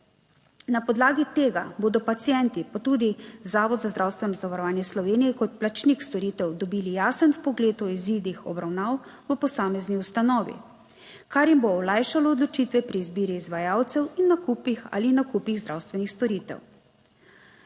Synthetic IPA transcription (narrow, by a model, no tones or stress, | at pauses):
napɔd̪laːɡit̪eːɡaboːd̪ɔpat̪sijɛnt̪ipat̪ud̪izaːʋɔd̪zazd̪ɾawst̪ʋɛnɔzaʋaɾɔʋaːnjɛslɔʋeːnijɛkɔt̪̚plat͡ʃnikst̪ɔɾiːt̪ɛwd̪ɔbiːlijaːsənpɔɡleːt̪ɔizid̪ixɔ̰bɾawnaːwʋəpɔsaːmɛzniust̪anɔːʋḭ | kaɾjimboɔlajʃalɔːd̪lɔt͡ʃit̪ʋɛpɾiːzbiːɾiːzʋajaːwt̪sɛwinːakupixa̰linakuːpiɣzd̪ɾawst̪ʋɛnixst̪ɔɾiːt̪ɛ̰w